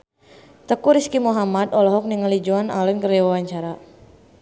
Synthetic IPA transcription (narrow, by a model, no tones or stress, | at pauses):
t̪əkuɾiskimuɦamad̪ɔlɔɦɔk̚niŋalid͡ʒuana̰lɛnkəɾɛwawaɲt͡ʃaɾa